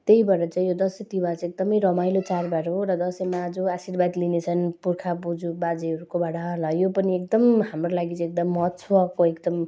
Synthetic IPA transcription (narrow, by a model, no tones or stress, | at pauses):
t̪eibʌɾʌt͡saĩjod̪ʌsʌt̪ibat͡sek̚d̪ʌmʌjɾʌmajlot͡sarbaɾoɾʌd̪ʌsemad͡zuasirbad̪linet͡sʰʌnpurkʰabud͡zubad͡ziʌɾukobaɽʌlʌjopʌniek̚d̪ʌmɦamrolaɡit͡sek̚d̪ʌmːʌtt͡sʰwʌkoekd̪ʌm